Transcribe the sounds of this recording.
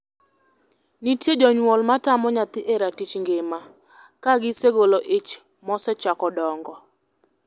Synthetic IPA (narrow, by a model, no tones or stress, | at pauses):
nitjed͡ʒɔɲwɔlmatamɔɲat̪ɪʔeɾatit͡ʃŋɡɪma | kaɡɪseɡoloʔɪt͡ʃ | mɔsɛt͡ʃakɔdɔŋɡɔ